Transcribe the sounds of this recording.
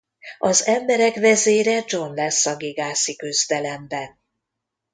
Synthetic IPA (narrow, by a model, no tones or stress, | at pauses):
ɒzɛmbɛɾɛkvɛzeːɾɛd͡ʒo̞nlɛsːɒɡiɡaːsikyzd̪ɛlɛmbɛn